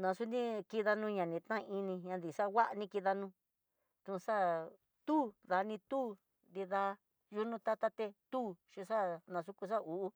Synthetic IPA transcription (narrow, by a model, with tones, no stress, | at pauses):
nã˨˧su˦nĩ˦ki˧ða˧nũ˧˦˧ɲã˨nĩ˨˧t̪nã˦˧i˧nĩ˧ɲã˧nd̪i˨sa˦˧wa˦ʔnĩ˧ki˧ða˧nũ˧˦ | t̪ũ˧sa˦ | t̪uː˦ða˨˧nĩ˧t̪uː˦ | nd̪i˧ða˧ | ju˧nũ˧t̪a˦t̪a˦t̪e˧t̪uː˦ʃĩ˧ʂa˦nã˧s̬u˧ku˧s̬a˦u˨ʔu˦